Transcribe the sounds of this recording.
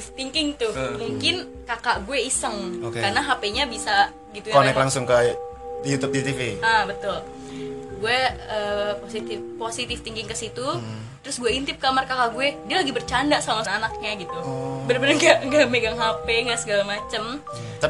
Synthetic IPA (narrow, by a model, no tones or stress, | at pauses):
t̪iŋkɪŋt̪ʊmuŋkɪn | kakaʔɡuɛisəŋokekarənaɦapeɲabisa | ɡit̪uonɛklaŋsʊŋkəjut̪up̚d̪it̪ifiəbət̪ʊl | ɡuɛəːposit̪ɪfposit̪ɪft̪iŋkɪŋkəsit̪u | t̪ɾʊsɡuɛint̪ɪp̚kamarkakaʔɡuɛdialaɡibərt͡ʃandaʔsamasːnak̚ɲaɡit̪ubəɾbənənɡaʔŋɡaʔmeɡaŋɦapeŋɡaʔsəɡalamat͡ʃəm | t̪a